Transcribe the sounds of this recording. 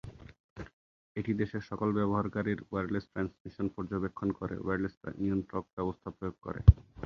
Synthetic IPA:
eʈid̪eʃeʃɔkolbɛboɦaɾkaɾiɾweɾlesʈɾansmiʃonpɔɾd͡ʑobekʰːonkoɾḛweɾlesa̰nionʈɾok̚bɛbost̪ʰapɾojoɡ̚ko̰ɾḛ

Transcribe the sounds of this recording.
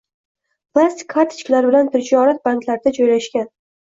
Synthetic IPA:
pʰlˠast̪ʰi̥kʰːaɾt̪ʰɪ̥t͡ʃkʲlaɾbɪlant̪ʰɪd͡ʒɒɾat̪̚bank̪ʰlaɾɪd̪ad͡ʒojlaʃkʲan

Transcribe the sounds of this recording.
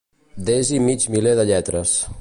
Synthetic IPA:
d̪ezimit͡ʃmileðəʎɛt̪ɾəs

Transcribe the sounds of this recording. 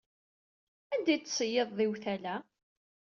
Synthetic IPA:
ænd̪æjt͡s̪ːsˤəjːeðˤðɪwθælæ

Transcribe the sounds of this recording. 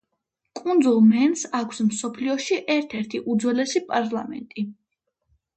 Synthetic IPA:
kʼund̪zulˠmɛnsakʰsmsɔpʰliɔʃiʔɛɾt̪ʰɛɾt̪ʰiʔud̪zwɛlɛsipʼaɾlˠamɛ̰nt̪ʼi

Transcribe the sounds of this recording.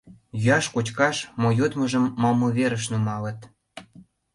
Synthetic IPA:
jyɑʃkot͡ɕkɑʃmojot̪məʒəmːɑmːəβeɾəʃnumɑlə̆t̪

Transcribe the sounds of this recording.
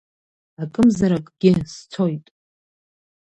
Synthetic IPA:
akʼɨmzaɾakʼɡ̥ʲɪst͡sʰo̞jtʼ

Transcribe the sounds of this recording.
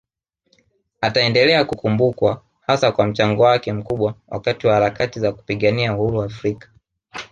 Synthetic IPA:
ataɛndɛlɛakukumbukwa | hasakwam̩t͡ʃaŋɡɔwakɛm̩kuɓwawa̰katiwahaɾakatizaku̥piɠaniauhuɾuafɾikḁ

